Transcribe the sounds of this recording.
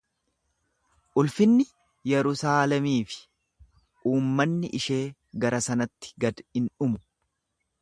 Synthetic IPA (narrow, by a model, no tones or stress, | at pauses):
ʔʊlfɪnːɪ | jɛɾʊsaːlɛmiːfɪ̥ | ʔuːmːɐnːɪʔɪʃe̞ː | ɡɐɾɐsɐnɐt̪ːɪ̥ɡɐd̪ɪnʊmʊ